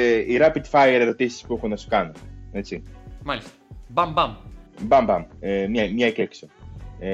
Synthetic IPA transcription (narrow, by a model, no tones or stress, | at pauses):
iɾɐpit̪fɐjeɾe̞ɾo̞t̪isi̥spue̞xunɐsu̥kɐnune̞t͡simɐlist̪ɐ̥bɐmbɐmbɐmbɐmemɲɐmɲɐeceksoe